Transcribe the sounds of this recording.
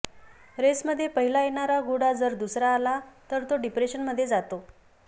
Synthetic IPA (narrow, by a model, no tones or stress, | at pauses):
ɾesməd̪ʱːjepəɦilajeɳ̃aɾaɡoɽad͡zəɾd̪usɾaːlat̪əɾt̪oɖipɾeɕənməd̪ʱːjed͡zat̪o